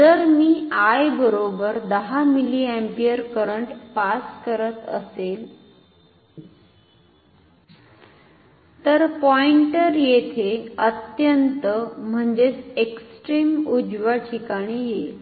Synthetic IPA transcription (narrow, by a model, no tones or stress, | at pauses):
d͡zəɾmiːajbəɾobəɾd̪əɦamiliɛ̃mpiəɾkəɾəɳʈpaskəɾət̪ə̰sel | t̪əɾpɔiɳʈəɾjet̪ʰeət̪jənt̪əm̤əɳd͡zeseksʈɾiːmud͡zʋaʈʰikaɽ̃ije